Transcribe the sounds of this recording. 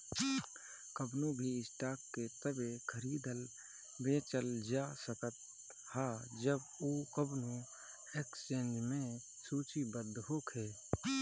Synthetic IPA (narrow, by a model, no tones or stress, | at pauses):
kəbnõbʱiɪsʈaːkːet̪əbekʰəɾiːd̪əl | beːt͡ʃəld͡ʒaːsəkət̪̚ | haːd͡ʒəb | uːkəbnõ | ekst͡ʃẽːnd͡ʒmẽ | suːt͡ʃibəd̪ɦoːkʰeː